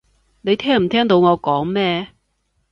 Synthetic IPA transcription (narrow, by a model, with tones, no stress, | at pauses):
ne˨˧jt̪ʰɛː˥ŋm̩˨˩t̪ʰɛː˥ŋt̪o˧wŋɔː˨˧kɔː˨˥ŋmɛː˥